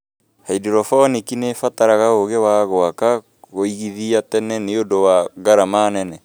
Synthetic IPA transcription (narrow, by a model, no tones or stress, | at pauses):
haidiɾɔfɔnikinefataɾaɣaoɣewaːɣɔaka | ɣoiɣiðiatɛnɛneodowaɡaɾamaːnɛnɛ